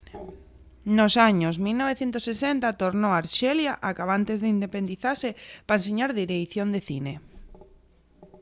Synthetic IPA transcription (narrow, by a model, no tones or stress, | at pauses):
nosaɲosmilnoβ̞eθjent̪oʊsːesent̪at̪oɾnoaɾʃɛljaʔakaβ̞ant̪ezðeind̪epend̪iθasepaenseɲaɾðiɾeθjond̪eθine